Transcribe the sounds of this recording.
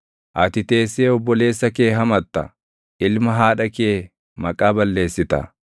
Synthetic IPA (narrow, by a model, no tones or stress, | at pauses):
ʔɐt̪ɪt̪e̞ːsːeːɔbːɔle̞ːsːɐke̞ːɦɐmɐt̪ːɐ̰ | ʔɪlmɐɦaːᶑɐke̞ː | mɐkʼaːbɐlːe̞ːsːɪt̪ɐ̰